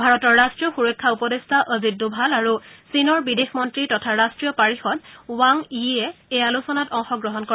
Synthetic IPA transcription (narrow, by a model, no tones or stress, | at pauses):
bʱaɹɔtɔɹːastɹijɔxuɹɔjkʰːaupɔdestʰaʔɔzit̚dubʱalaɹusinɔɹbidexmɔntɹitɔtʰaɹastɹijɔpaɹixɔd̚waŋiɛejalusɔnatɔŋxɔɡɹɔɦɔnkɔ